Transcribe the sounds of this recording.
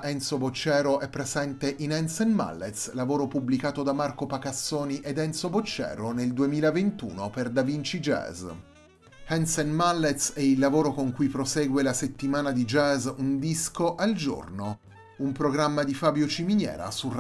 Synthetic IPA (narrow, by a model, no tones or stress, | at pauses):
ʔɛnsobot͡ʃːɛːɾoʔɛpːɾezɛnt̪eʔinɛnsɛnma̰lːet̪slavoːɾopublikaːt̪od̪amarkopakasːoːniʔed̪ɛnsobot͡ʃːɛ̰ːɾoneld̪uemiːlavent̪ṵːnoperd̪avint͡ʃid͡ʒɛ̰ːz | ɛnsɛnmalːet̪sɛilːavoːɾokoŋkujpɾosɛːɡwelaset̪ːimaːnad̪id͡ʒɛːzund̪iskoʔald͡ʒo̰rno | umpɾoɡɾamːad̪ifaːbjot͡ʃiminjɛ̰ːɾa̰sur